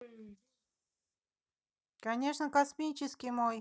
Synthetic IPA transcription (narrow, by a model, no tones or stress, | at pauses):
kanʲe̞ʂnəkasmʲinʲt͡ɕɪskʲijmoj